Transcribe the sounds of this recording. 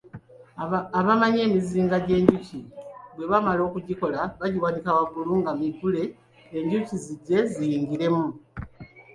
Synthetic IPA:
aβamaɲe̞ːmiziːŋɡaɟe̞ːɲɟuciβwe̞βamalo̞ːkuɟiko̞laβaɟiwanikawaɡuluːŋɡamiɡule̞ː | ɲɟuciziɟe̞zijiːŋɡiɾe̞mu

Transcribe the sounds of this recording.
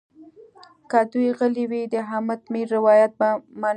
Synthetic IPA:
kad̪ujɣəliwid̪əɦamat̪miɾːɪwɑjat̪̚bamɑ

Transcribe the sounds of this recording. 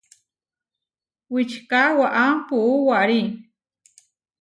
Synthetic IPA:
wɪt͡ʃkawaʔampuʔuwaʔɾi

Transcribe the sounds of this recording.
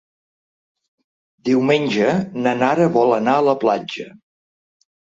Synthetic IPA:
d̪iwmenʲd͡ʒənənaɾəβɔlənaələplad͡ʒə

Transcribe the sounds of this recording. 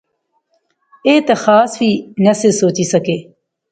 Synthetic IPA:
eːt̪ɐxaːsʋiːnɐsesoːt͡ʃiːsɐkeː

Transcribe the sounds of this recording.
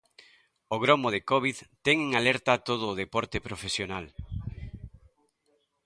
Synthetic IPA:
oɣ̞ɾomoð̞ekɔβiðt̪ɛŋeŋalɛɾt̪at̪oð̞ʊːð̞epɔɾt̪epɾofesjonal

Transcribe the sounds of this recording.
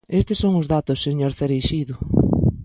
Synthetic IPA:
est̪ɪsoŋʊzðat̪ʊsːeɲoɾθeɾejʃiðʊ

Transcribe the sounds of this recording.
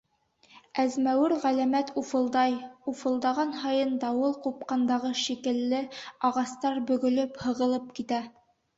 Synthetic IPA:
æzmæwɘɾʁælæmæt̪ufɤ̆lˠd̪ɑjufɤ̆lˠd̪ɑʁɑnɦɑjɤnd̪ɑwɤlˠqup̚qɑnd̪ɑʁɤʃikɘ̆lːɘɑʁɑst̪ɑɾbɵ̆ɡɵ̆lɵphɤ̆ʁɤ̆lˠɤp̚kit̪æ

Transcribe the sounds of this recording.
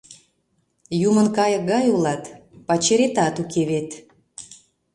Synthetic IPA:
jumənkɑjək̚ɡɑjulɑt̪pɑt͡ɕeɾet̪ɑt̪ukʰeβet̪

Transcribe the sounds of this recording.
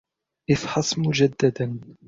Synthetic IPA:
ʔɪfħɑsˤmʊd͡ʒad̪ːad̪an

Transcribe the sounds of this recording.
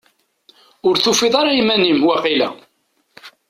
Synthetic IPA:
ʊɾθufɪðˤɑɾɑimænimwaqilæ̰

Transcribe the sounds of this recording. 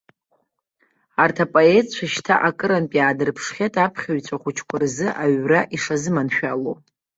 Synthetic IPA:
artʰapʼoetʼt͡ɕʷʰaʃtʰa̰ʔakʼɨɾanpʼiaːdɨrpʰʂχʲatʼapʰχʲaɥt͡sʷʰaχʷʊt͡ʃʰkʷʰʼʊrzɨʔaɥraʔiʂazɨmanʃᶣalo

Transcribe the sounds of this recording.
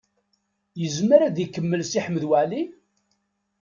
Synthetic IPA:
jəzməɾæðikːəmːəlsiħəmːəðwæʕli

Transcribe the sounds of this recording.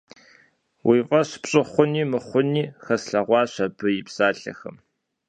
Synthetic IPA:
wiːvʼɐɕpɕʼɪχʷʊniːmɨχʷʊniːxɐsɬɐʁʷɑːɕʷɐbɨjɪpsaːɬɐ̰xɐ̰m

